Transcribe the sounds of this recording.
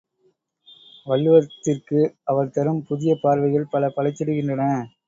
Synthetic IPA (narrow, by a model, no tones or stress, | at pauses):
ʋɐɭːɯʋɐt̪ːɪrkɯɐʋɐɾt̪ɐɾɯmpʊðɪjɐpaːɾʋɐɪɣɐɭpɐlɐpɐlɐɪt͡ʃ̪ːɐɽɯɣɪndrɐnɐ